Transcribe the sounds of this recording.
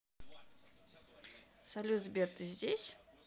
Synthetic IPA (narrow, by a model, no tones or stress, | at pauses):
sɐlʲuzbʲert̪ɨzʲdʲesʲ